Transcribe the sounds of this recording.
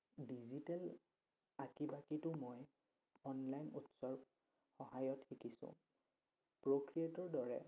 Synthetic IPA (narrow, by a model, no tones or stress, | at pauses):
dizitɛl | akibakitʊmoj | ɔnlajnṵtsɔɹb | xɔɦajɔtxikisʊ̰̃ | pɹokɹiatɔɹdɔɹɛ̰